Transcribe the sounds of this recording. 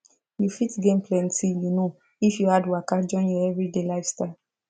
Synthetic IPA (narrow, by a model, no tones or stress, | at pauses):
jufitɡẽnplɛ̃ntijuno | ifjuhadwakad͡ʒɔ̃ɪ̃njɔɛvɹidelaɪfsta